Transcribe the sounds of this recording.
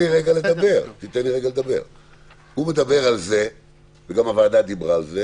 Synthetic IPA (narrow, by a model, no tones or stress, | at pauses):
iʁeɡale̞d̪abe̞ʁt̪it̪enliʁeɡaled̪abe̞̰ʁ | hume̞d̪abe̞ʁalze̞ | veɡamavad̪ad̪ibʁaːlze